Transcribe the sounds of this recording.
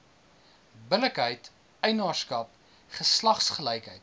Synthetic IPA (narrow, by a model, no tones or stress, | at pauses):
bələkɦəjt | əjnɑːrskɐp | χəslɐχsχəlɛjkɦəjt